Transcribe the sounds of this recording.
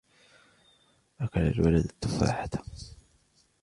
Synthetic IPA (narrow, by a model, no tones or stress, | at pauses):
ʔakala̰lwalad̪at̪ːʊfa̰ːħat̪ḁ